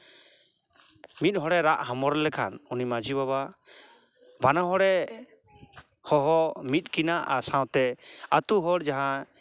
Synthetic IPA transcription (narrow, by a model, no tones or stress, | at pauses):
mit̪̚ˀɦɔɽɛɾaʔhamɔɾɛlɛkʰa̰nunimad͡ʒibaba | banaɦɔɽɛ | hɔɦɔmit̪̚ˀkinaʔasãw̃t̪ɛat̪uɦɔɽd͡ʒaɦã